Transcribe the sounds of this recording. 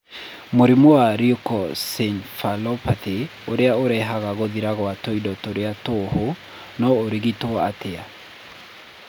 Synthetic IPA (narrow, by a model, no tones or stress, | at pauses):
moɾimowaɾiokɔsenfalɔpaθeoɾeaoɾɛɦaɣaɣoðiɾaɣɔatoidɔtoɾeatoho | nɔoɾiɣitoa̰tea